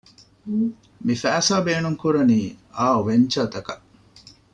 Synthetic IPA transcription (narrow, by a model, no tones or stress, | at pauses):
mifæːsaːbeːnuŋkuɾɐniːaːoʋeɲt͡ʃɐːt̪ɐkɐʔ